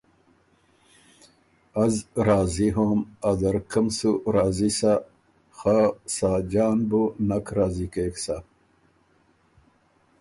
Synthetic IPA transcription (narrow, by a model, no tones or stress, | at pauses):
azɾaːziɦomad̪ɐɾkəmsuɾaːzisa | xasaːd͡ʑaːnbunakɾaːzikeːksa